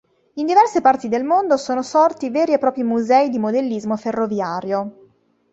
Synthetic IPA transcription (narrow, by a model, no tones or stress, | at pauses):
ind̪ivɛrsepart̪id̪elmond̪osoːnosɔrt̪iveːɾiepːɾɔːpɾimuzɛid̪imod̪elːizmoferːovjaːɾjo